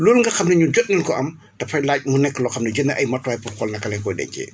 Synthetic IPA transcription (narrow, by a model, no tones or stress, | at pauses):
loːlŋɡɐxɐmnɐɲuɟɔt̚nɐnkɔʔɐm | tɐfɐjlaːc̚munɛkːəlɔxɐmnɐɟənːɐʔɐjmɐtːwaːjpɔkɔlnɐkɐlɛŋkɔjdɛ̰ɲcɛ̰ː